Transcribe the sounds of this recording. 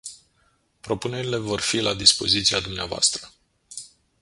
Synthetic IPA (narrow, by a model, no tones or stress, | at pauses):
pɾo̞pune̞ɾile̞vo̞rfilad̪ispo̞̰zit̪siad̪umneavoa̰st̪ɾə